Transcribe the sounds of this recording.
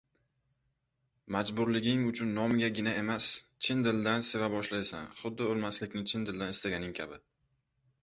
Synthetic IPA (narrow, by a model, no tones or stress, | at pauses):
mad͡ʒbʊɾlɪɡʲɪŋʊt͡ʃʰʊnːɒmɪɡʲaɡʲɪnae̞mast͡ʃʰɪnd̪ɪld̪ansevabɒʃlajsa̰nχʊd̪ːɪolmaslɪkʲnɪt͡ʃʰɪnd̪ɪld̪anɪst̪aɡʲanɪŋkʲʰa̰bɪ